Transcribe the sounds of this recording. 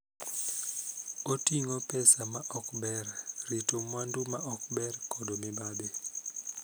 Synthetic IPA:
otiŋɔpɛsamaʔɔkbɛrritomwandumaʔɔk̚bɛrkɔdomɪbabe

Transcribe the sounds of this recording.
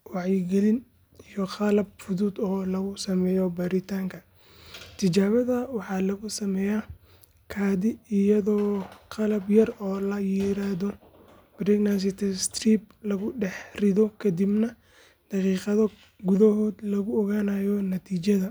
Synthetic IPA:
wɑʕjɪɡɛlɪn | ijɔqɑlɐb̚fʊðuːd̪ɔːlɐɣʊsɐmɛːjɔbɐɾɪt̪ʰaːŋkʰɐ | t̪ʰɪt͡ʃaːβɐðɐwɑħɑːlɐɣʊsɐmɛːja | kʰaːðɪɪjɐðɔːqɑlɐbjɐrɔːlɐjɪɾaːðɔ | b̥ɾɪɡnans̬ɪt̪ʰɛst̪riːb̚lɐɣʊɖɛħrɪðɔkʰɐd̪ibnɐ | d̪̥ɑqiːqɑðɐ | ɡʊðɔɦɔːd̪lɐɣʊɔɣaːnajɔnɐt̪ʰiːt͡ʃɐðɐ

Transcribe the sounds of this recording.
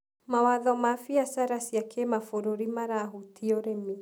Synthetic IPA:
mawaðɔmafiasaɾasiakʰemafoɾoɾimaɾaːɦutiɔɾemi

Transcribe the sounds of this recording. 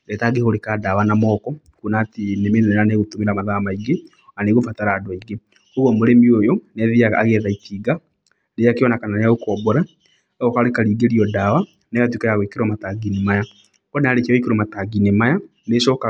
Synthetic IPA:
dɛtaɡehoɾekadawanamɔːkɔ | kunatinemennɛnaneɣotomeɾamaðamaiɡe | aneɣofataɾadwaiɡe | oɣɔmoɾemiojɔnɛðiaa̰ɣɛðaitiɡa | nejakejɔnakananejaokɔbɔɾa | ɔɣɔkaɾekaɾiːɡeɾiɔdawa | neɣatwikajaɣweikeɾwamataɡinemaja | kɔneaɾekawikeɾɔmataɡinemaja | neʃɔka

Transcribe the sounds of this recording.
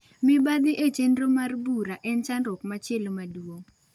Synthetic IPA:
mɪbad̪ɪʔet͡ʃendromarbuɾaʔɛnt͡ʃandɔkmat͡ʃjelomadwoŋ

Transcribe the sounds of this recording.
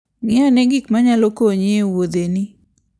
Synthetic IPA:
mɪanɛɡikmaɲalokoɲewod̪eni

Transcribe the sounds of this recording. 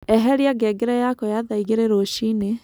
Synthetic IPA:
ɛɦɛɾiaɡɛɡeɾɛjakɔjaðaiɣeɾeɾoʃine

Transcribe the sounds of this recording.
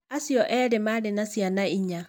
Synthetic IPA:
asjɔʔɛɾemaɾenasjanaiɲa

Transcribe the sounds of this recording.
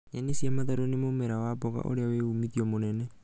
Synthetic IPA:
enisiamat̪aɾonimomeɾawaboka̰ʔo̰ɾeaweumitiɔmonɛnɛ

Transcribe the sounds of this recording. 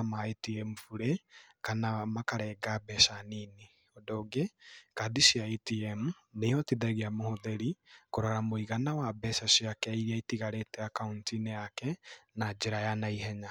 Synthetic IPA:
amaetiɛmufuɾekanamakaɾɛɡabɛsanini | odoɡekadisiaetiɛm | nejɔtiðɛɣeamohoðeɾikoɾaɾamoiɣanawabɛsaʃiakɛiɾiaitiɣaɾetɛakauntinejakɛnad͡ʒeɾajanaiɦɛɲa

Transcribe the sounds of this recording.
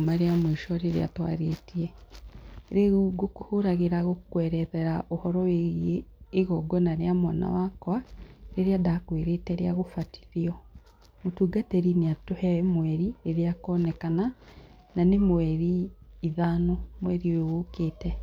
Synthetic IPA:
maɾeamweʃɔɾeɾḛa̰twa̰ɾetiɛ | ɾeɣuɡokohoɾaɣeɾaɣokwɛɾɛðɛɾaʔohɔɾɔweɣieːɣɔɡɔnaɾeamwana̰wakwaɾeɾeadakweɾetɛɾeaɣofati̥ðiɔ | motuːɡatɛɾineatohɛmwɛɾieɾeakɔːnɛkana | nanemwɛɾiːðaːnomwɛɾiwewokeːtɛ

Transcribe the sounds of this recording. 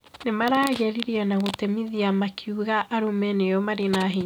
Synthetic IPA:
nemaɾaːɣɛɾiɾiɛnaɣotemiðiamakʰiuɣaʔaɾumɛnejɔmaɾenaɦe

